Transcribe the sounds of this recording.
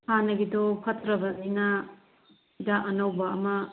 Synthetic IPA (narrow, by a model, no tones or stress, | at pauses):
hanːɐɡidopʰɐtʰɾɐbɐzinɐ | dɐʔɐnɐwbɐːmɐ